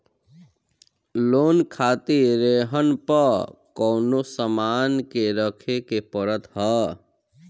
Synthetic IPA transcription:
loːnkʰaːt̪iɾeɦənpəkɔːnosəmaːnkeɾəkʰekepəɾət̪ɦə

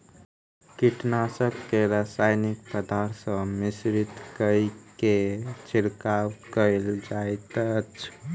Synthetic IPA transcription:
kiʈnasəbkeɾasajnik̚pəd̪ʱaɾsə̃misɾit̪kəjket͡ʃiɾkawkəɪld͡ʒajt̪ət͡ʃʰ

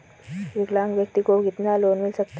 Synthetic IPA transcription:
ʋiɡlãŋɡʋjək̚t̪ikoɡit̪naloːnmilsək̚t̪

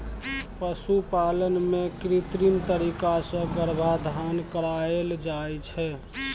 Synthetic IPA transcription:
pəsupalənmekɾit̪ɾint̪əɾikasə̃ɡəɾbʱad̪ʱankəɾaeld͡ʒajt͡ʃʰɛ

